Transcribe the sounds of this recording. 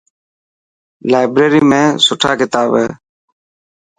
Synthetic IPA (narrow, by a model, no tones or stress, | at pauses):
laːɪbɾeːɾiːmẽːsʊʈʰaːkɪt̪aːbeː